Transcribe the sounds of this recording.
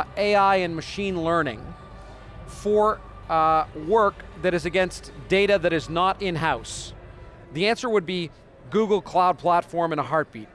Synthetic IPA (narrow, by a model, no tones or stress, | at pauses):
eɪaɪɨ̃nmɨʃĩnlɜ˞nɪ̰̃ŋ | fə˞ | wɜ˞kðɨɾɨzɨɡɛ̃nsd̥eɪɾɨðɨɾɨznəɾɪ̃nɦaʊs | ðiæ̃nsə˞wəd̚bi | ɡuɡl̩ˠkʰl̥aʊd̚pʰl̥ætfɔɹmɨ̃ñəɦɑɹt̚b̥ḭt̚